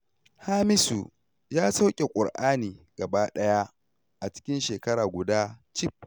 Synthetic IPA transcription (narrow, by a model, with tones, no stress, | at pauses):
haː˦mɪ˦su˨ | jaː˦sa˦wkʲʼe˨kʷʼʊ̰˨ɽʔaː˦niː˨ɡɐ˨baː˦ɗɐ˦ja˦ | ʔa˨t͡ʃɪ̥˦kʲɪ˦nʃeː˨kɐ˦ɽaː˨ɡʷʊ˨daː˦t͡ʃɪ˦p̚